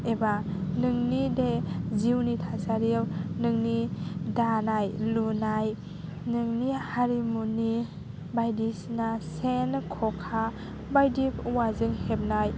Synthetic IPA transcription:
ebanɯŋnideziwnitʰasaɾiwnɯŋnidanajlunaj | nɯŋnihaɾimuni | bajdisnasenkʰɔkʰa | bajdipʰuwazɯŋhep̚naj

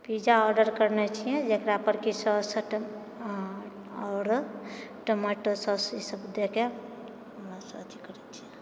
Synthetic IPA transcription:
pid͡ʒaɔɾɖəɾkəɾnet͡ʃʰijɛ̃d͡ʒekɾapəɾkisəsəʈ | ɔːɾʈəmaʈosəsisəbd̪eke | ɦəmɾasəət̪ikəɾɛt͡ʃʰijɛ

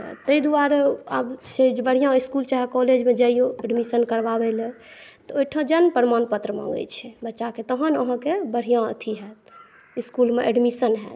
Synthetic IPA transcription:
t̪əid̪uaɾə̰bsebəɽ̤ijãiskult͡ʃaɦɛkɔled͡ʒmẽd͡ʒəijoeɖmisənkəɾbabelɛ | t̪ɔojʈʰãd͡ʒənpəɾmanpət̪ɾəmã̰ŋɡə̰t͡ʃʰɛbətːʃaket̪əɦənəɦãkebəɽ̤ijãə̰t̪ʰiɦɛt̪̚ | iskulmeʔeɖmisənɦɛ̰ːt̪

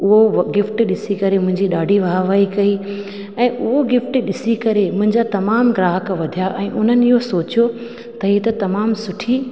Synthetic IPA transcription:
ʊɦoɡɪfʈɗɪsikɐɾemʊ̃ɦɪ̃ɲd͡ʑiɗaːɖʱiʋɐɦaʋaːikɐi | ɛ̃ːʔʊɦoɡɪfʈɗɪsikɐɾemʊ̃ɦɪ̃ɲd͡ʑat̪ɐmaːmɡɾaːɦəkʋɐd̪ʱijaʔɛ̃ːʔʊn̤ənɪ̆ɪɦosoːt͡ɕijo | t̪ɐɦiːt̪ɐt̪ɐmaːmsʊʈʰi

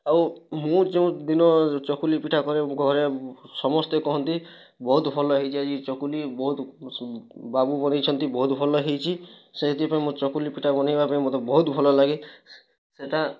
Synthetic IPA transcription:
awmũd͡ʒeũd̪inɔt͡ʃɔkulipiʈʰakɔɾeɡʱɔɾesɔmɔst̪ekɔɦɔnt̪i | bɔɦut̪pʰɔlɔɦejt͡ʃʰiad͡ʒit͡ʃɔkulibɔɦut̪ | babubɔnajt͡ʃʰɔnt̪ibɔɦut̪pʰɔlɔɦejt͡ʃʰiseɦet̪ipaẽmũt͡ʃɔkulipiʈʰabɔnajbapaẽmot̪ɔbɔɦut̪bʱɔlɔlaɡe | seʈa

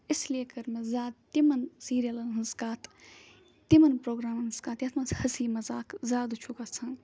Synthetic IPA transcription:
isliekɐɾmezaːd̪̚t̪imɐnsiːɾijɐlɐnɦɐnskaːt̪ʰ | t̪imɐnpɾoːɡɾaːmɐnskaːt̪jɐt̪ʰmɐt͡shɐsiːmɐzaːkzʲaːd̪t͡ʃʰukɐt͡sʰɐ̃n

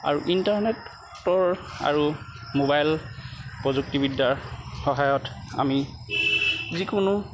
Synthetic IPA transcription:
a̰ɹuʔintaɹnɛt | tɔɹa̰ɹumobajlpɹɔzuk̚tibidːaɹxɔɦajɔta̰mi | zikʊnʊ

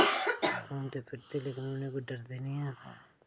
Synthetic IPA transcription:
oːnt̪eːpʰɪɾt̪eleːkɪnʊnẽːkoɖəɾd̪eːnijaː

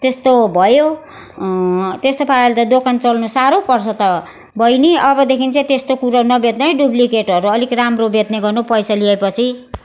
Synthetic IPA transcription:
t̪est̪obʱʌjo | t̪est̪opʰaɾalet̪ʌd̪okʰant͡sʌlnusaɾopʌrt͡sʰʌt̪ʌ | bʱʌjniʔʌbʌd̪ekʰint͡sʌ̃t̪est̪okuɾʌnʌbed̪nʌjɖublikeʈʌɾuʌlikramrobet̪nʌɡʌrnupʌjsaliepʌt͡sʰi

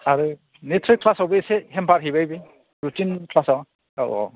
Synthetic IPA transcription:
aɾu | netʰɾikʰːlasawbɯseɦempʰaɾɦijbajbi | ɾutinkʰlasawa | a̰wʔɔ̰

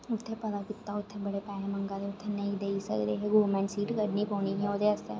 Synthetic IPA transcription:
ʊt̪ʰːepɐd̪apɪt̪ːaʊt̪ʰːẽbɐɽepɛːnẽmɐ̃ŋɡaleʊt̪ʰːenɐĩd̪eisɐ̰kɾeːɦeɡoːmɛ̃ːɳɖsiːʈkəɾnipɔ̃ːniɦioːd̪eɛst̪ḛ

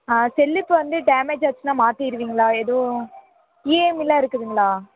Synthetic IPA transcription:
aːsɛlːɪpːɯʋɐnd̪ɯɖaːmeːd͡ʒʋɐt͡ʃːɯnaːmaːt̪iɪɾɯʋiːŋɡɐɭaːeðoː | iːmɪlːaːɪɾɯkːɯðɯŋɡɐɭaː

